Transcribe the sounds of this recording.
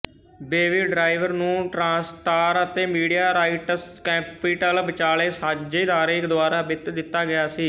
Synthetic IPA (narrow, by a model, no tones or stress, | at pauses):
beːʋiːɖɾaːɪʋəɾnũːʈɾãːsʈaːɾət̪eːmiːɖijaːɾaːiʈəskɛːpiːʈəlbət͡ʃaːleːsaːd͡ʒeːd̪aːɾeːɪkd̪ʊaːɾaːbɪt̪d̪ɪt̪ːaːɡɪjaːsiː